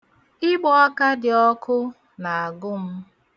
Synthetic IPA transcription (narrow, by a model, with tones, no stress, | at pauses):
ɪ˦ɡ͡bɔ˦a˦ka˦dɪ˨ɔ˦kʰʊ˦ | na˨a˨ɡʊ˦m̩˦